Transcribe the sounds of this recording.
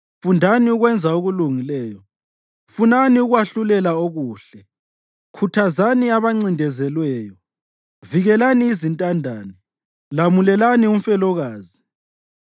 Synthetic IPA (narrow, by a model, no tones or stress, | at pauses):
fundʱaniuɣwɛnd͡zʱauɣuluŋilɛːjɔ | funaniuɣwaɬulɛlaoɣuːɬɛ | kʰutʰazaniaβaŋ͡ǀindʱɛzɛlwɛːjɔ | viɣɛlaniːzintʼandʱaːni | lamulɛlanium̩fɛlɔɣaːzi